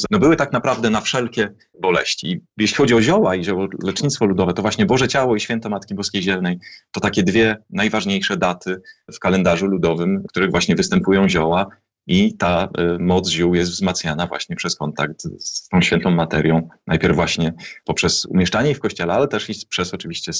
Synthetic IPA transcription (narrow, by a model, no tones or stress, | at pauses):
nɔbɘwɘt̪aknapɾavd̪ɛnafʂɛlkʲɛ | bɔlɛɕt͡ɕijɛɕlʲixɔd͡ʑiɔʑɔwaiʑɔwɔlɛt͡ʂɲit̪st̪fɔlud̪ɔvɛt̪ɔvwaɕɲɛbɔʐɛt͡ɕawɔiɕfʲjɛnt̪ɛmat̪kʲibɔskʲejʑɛlnɛjt̪ɔt̪akʲɛd̪vʲjɛnajvaʐɲejʂɛd̪at̪ʰɘfkalɛnd̪aʐulud̪ɔvɘmkt̪uɾɘɣvwaɕɲɛvɘst̪ɛmpujɔ̃w̃ʑɔwa | it̪amɔd̪zʑuwjɛst̪vzmat̪sɲʲjanavwa̰ɕɲɛpʂɛskɔnt̪ak̚t̪st̪ɔ̃w̃ɕfʲɛnt̪ɔ̃w̃mat̪ɛɾʲjɔ̃w̃najpʲjɛɾvːwaɕɲɛpɔpʂɛsṵmʲjɛʂt͡ʂaɲɛifkɔɕt͡ɕɛlɛalɛt̪ɛʂipʂɛsɔt͡ʂɘvʲiɕt͡ɕɛ